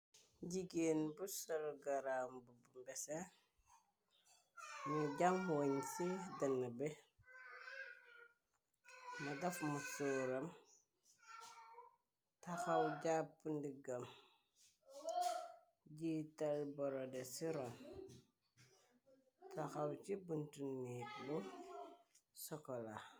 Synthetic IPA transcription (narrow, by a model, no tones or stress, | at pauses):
ɟiɡeːnbusɐlɡaɾambubumbesa | muɟaŋwoɲsidɐnːabe | madɐfmusuɾɐm | taxɐwɟapːndiɡɐm | ɟitɐlbɔɾɔdesiɾom | taxawt͡ʃibuntunːiːk̚lu | sɔkɔla